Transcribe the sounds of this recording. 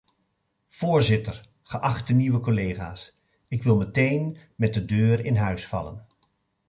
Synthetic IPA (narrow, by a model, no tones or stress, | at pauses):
v̥oːɹzɪtəɹ | χəʔɑχtəniʋəkolejχaːs | ɪkʋɪlˠmətejnmɛt̚dədøːɾɪnɦœɥsfɑ̰lə̰n